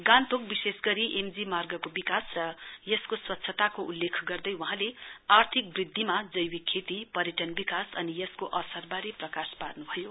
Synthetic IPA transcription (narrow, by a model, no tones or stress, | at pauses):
ɡãnt̪ok̚bisesɡʌɾiʔemd͡zimarɡʌkobikasrʌjʌskoswʌt̪ːsʰʌt̪akoʔulːekʰɡʌrd̪ʌjwʌ̃ɦãleart̪ʰik̚brid̪ʱːimad͡zʌjwikʰːet̪ipʌɾeʈʌnbikasʌnijʌskoʔʌsʌrbaɾeprʌkasparnubʱʌjo